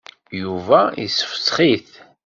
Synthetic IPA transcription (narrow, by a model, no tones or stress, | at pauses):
juvæḭsə̥fə̥sχiθ